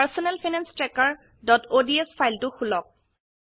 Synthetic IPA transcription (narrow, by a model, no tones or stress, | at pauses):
paɹsɔnɛlpinɛnstɹɛkaɹ | dɔtodiɛspʰajltʊxulɔk̚